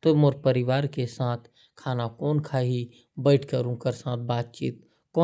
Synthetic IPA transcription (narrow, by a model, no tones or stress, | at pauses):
t̪omoɾpəɾɪʋaːɾkesaːt̪ʰ | kʰaːnakɔːnkʰaɦi | bəɪʈʰkəɾũkəɾsaːt̪̚ʰbaːt̪̚t͡ʃḭːt̪̚ | kɔː